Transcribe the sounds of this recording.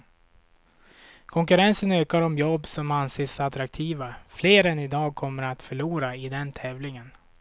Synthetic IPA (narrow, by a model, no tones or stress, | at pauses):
kʰɔŋkɵɾɛnsənøːkaɾɔmjɔbːsɔmanseːsat̪ɾak̚t̪ʰiːvafleːɾɛnɪd̪ɑːɡ̚kʰɔmːəɾat̪fœɭuːɾaɪd̪ɛnt̪ʰɛːvlɪŋən